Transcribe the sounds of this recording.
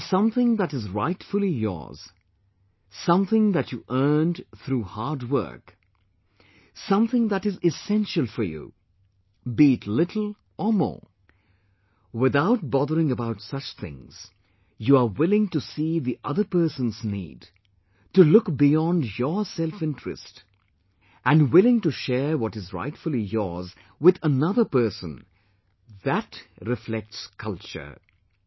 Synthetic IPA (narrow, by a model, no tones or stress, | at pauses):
sʌ̃mθɪ̃ŋðæɾɨzɹa̰ɪtfəl̩ˠijɔ̰ɹz̥ | sʌ̃mθɪ̃ŋðæt͡ʃuʔɜ˞ndθɾuːhɑɹdwɜ̰˞k | sʌ̃mθɪ̃ŋðæɾɨzɪsɛ̃nʃəl̩ˠfə˞jṵ | biɨtʰlɪɾʰl̩ˠ | ʔə˞mɔ̰ːɹ | wɪðaʊt̚bɔðəɹɪ̃ŋəbaʊtsʌt͡ʃθɪ̰̃ŋz̥ | juəwɪlˠɪ̃ŋtusiðiʔʌðə˞pɜ˞sə̃nznḭːd | tulʊkbiɑ̃ndjəsɛlˠfɪ̃ntɹ̥ɨ̰st | ʔæ̃ndwɪlˠɪ̃ŋtuʃɛɹwɔɾɨzɹa̰ɪtfəlˠijɔ̰ɹz | wɪðənʌðə˞pɜ˞sə̰̃n | ðætɹɪflɛk̚tskʰʌlˠt͡ʃə̰˞